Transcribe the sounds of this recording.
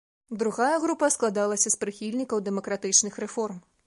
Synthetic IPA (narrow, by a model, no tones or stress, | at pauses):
d̪ɾuɣajɐɣɾupɐsklˠad̪alˠɐsʲɐspɾɨxʲilʲnʲikɐwd̪ɛmɐkɾat̪ɨt͡ʂnɨxɾɛfɔrm